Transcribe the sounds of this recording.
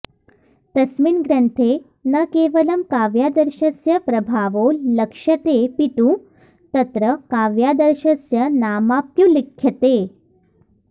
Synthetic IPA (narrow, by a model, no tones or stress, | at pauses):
t̪ɐsminɡɾəɳt̪ʰe | nɐkeʋəlɐmkaʋjad̪əɾɕɐsjɐpɾɐbʱaʋoləkʂɐt̪epit̪ũ | t̪ɐt̪ɾəkaʋjad̪əɾɕɐsjɐnamapjũlikʰjɐt̪e